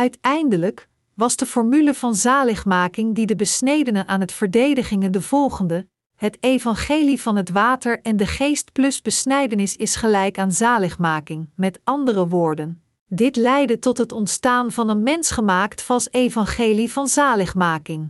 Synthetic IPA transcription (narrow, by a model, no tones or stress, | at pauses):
œɥtɛjndələk | ʋɑzdəfɔɹmyləv̥ɑnzaːləχmaːkɪŋdidəbəsnejdənəʔaːnɦətfəɹdejdəχɪŋəndəv̥ɔlˠχəndə | ɦətejvɑnχejlivɑnɦətʋaːtəɹɛndəχejst̚plɵsbəsnɛjdənɪsɪsχəlɛjkaːnzaːləχmaːkɪŋmɛtɑndərəʋʊːɹdən | dɪtlɛjdətɔtɦətɔntstaːnvɑnənmɛnsχəmaːktfɑlˠsejvɑnχejlivɑnzaːləχmaːkɪŋ